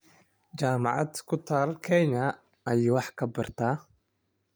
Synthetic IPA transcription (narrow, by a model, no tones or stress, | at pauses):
d͡ʒamaʕa̰tʰkʰʷʊtʰarkʰejnaː | jwaħkʰabɨrtʰa